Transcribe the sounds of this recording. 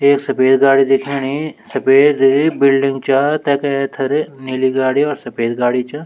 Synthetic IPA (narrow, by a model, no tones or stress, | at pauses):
eːksɐpeːd̪ɡaːɽid̪ɪkʰinisɐpeːd̪bɪlɖɪ̃ŋɡt͡ʃat̪ɛːkːt̪ʰɐɾniːliɡaːɽiɔːɾsɐpeːd̪ɡaːɽit͡ʃa